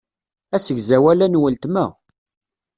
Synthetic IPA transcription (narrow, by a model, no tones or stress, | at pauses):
æsəʝzæwælænwəlt̪mæ̰